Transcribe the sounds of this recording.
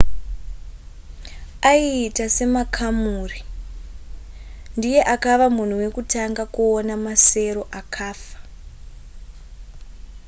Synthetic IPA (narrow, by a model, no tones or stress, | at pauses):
aiːtase̞makʰamuːri | ndije̞ʔakaʋamun̤uwe̞kutaŋɡakuonamase̞ɾo̞ʔakʰaːfḁ